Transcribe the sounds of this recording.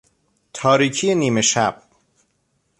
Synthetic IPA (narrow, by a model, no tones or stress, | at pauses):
t̪ʰɒːɾiːcʰijeniːme̞ʃæb̥̚